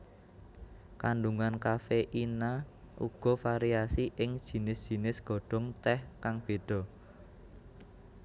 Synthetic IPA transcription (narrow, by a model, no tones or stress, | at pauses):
kaɳɖuŋankafeʔina | ʔṵɡ̥ɔ̤faɾiasiʔɪŋd̥ʒ̥i̤nɪsd̥ʒ̥i̤nɪsɡ̥ɔ̤ɖ̥ɔ̤ŋt̪ɛhkaŋb̥e̤ɖ̥ɔ̤